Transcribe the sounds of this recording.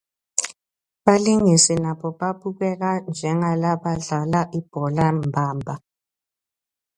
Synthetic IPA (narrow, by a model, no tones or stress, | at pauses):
ɓaliŋisilaɓɔɓaɓuɣwɛk̬and͡ʒʱɛŋalaɓaɮalaʔib̥ʱɔlambʱaːmbʱa